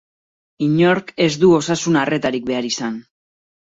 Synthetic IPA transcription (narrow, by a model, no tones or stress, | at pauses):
iɲo̞ɾke̞zd̪uo̞sasunare̞t̪aɾik̚be̞aɾisan